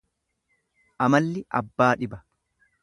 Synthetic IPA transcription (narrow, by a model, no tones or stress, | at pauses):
ʔɐmɐlːɪʔɐ̰bːaːᶑɪbɐ